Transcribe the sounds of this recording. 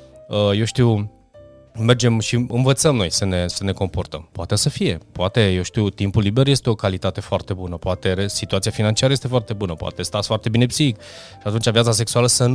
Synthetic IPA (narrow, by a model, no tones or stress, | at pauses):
əje̞wʃt̪iw | me̞rd͡ʒemʃiɨnvət̪səmno̞jsəne̞səne̞ko̞mpo̞rt̪əmpoat̪esəfije̞poat̪e̞je̞wʃt̪iwt̪impulːibe̞rje̞st̪eo̞kalit̪at̪e̞foart̪e̞bunəpoat̪e̞ɾesit̪uat̪siafinant͡ʃiaɾəje̞st̪efoart̪e̞bunəpoa̰t̪e̞st̪at̪sfoart̪e̞bine̞psiik | ʃiat̪unt͡ʃavijat̪sas̬e̞ksualəsən